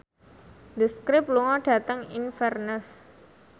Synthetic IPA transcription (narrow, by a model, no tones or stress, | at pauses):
d̪əskɾɪp̚luŋɔɖ̥a̤t̪əŋinfɛrnəs